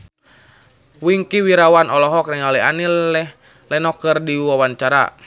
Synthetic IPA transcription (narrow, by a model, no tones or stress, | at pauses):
wiŋkiwiɾawanɔlɔɦɔk̚nɛŋalɛanilɛh | lɛnɔkɨrdiwawant͡ʃaɾa̰